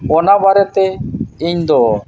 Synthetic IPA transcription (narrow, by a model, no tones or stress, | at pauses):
ɔnabaɾɛt̪ɛiɲd̪ɔ